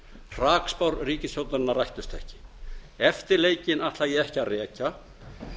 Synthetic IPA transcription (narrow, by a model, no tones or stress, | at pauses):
r̥aːkspawɾriːcɪsjowt̪aɾɪnːarajht̪ʏst̪ɛ̰hcɪ̥ | ɛft̪ɪɾleːjcɪnaht̪lajɛɛhcɪarɛːca